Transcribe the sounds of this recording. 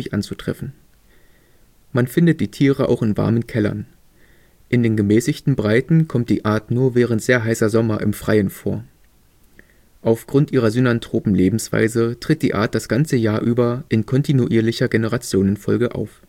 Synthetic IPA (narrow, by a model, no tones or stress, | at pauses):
ɪçʔa̰nt͡sutʁ̥ɛ̰fn̩ | manfɪndət̚d̥iːtʰiːʁəʔa̰ʊxɪnva̰ɐmənkʰɛlɐ̰n | ʔɪndeːnɡəmɛːsɪçtn̩bʁaɪtn̩kʰɔmt̚d̥iːʔaːɐtnuːɐvɛːʁ̞əntz̥eːɐɦaɪsɐzɔmɐʔɪ̰mfʁ̥aɪənfoːɐ | ʔaʊfɡ̥ʁʊntʔiːʁɐzynantʁ̥oːpm̩leːbm̩sv̥a̰ɪzətʁ̥ɪt̚d̥iːʔa̰ːɐt̚d̥asɡ̥ant͡səjaːɐʔyːbɐʔɪnkʰɔntʰinuʔiːɐlɪçɐɡenəʁat͡sjoːnənfɔ̰lɡəʔa̰ʊf